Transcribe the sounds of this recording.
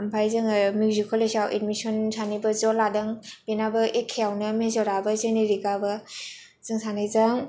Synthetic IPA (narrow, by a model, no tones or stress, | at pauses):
mpʰajzɯŋmuzikʰɔlesawʔḛtmisɔnsʰanibɐzɔladɐŋb̥enabɐʔekʰːejawnɐmezɔɾabɐzeneɾikabɐ | z̥ɯŋsʰanɯjzaŋ